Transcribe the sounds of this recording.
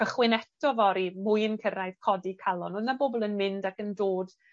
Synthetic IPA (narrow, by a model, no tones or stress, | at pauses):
əχwɪnɛtʰɔvɔɾimʊjənkʰəɾajð̥kʰɔdikʰalˠɔnoːðnabobɔlˠənmɪndakəndoːd̥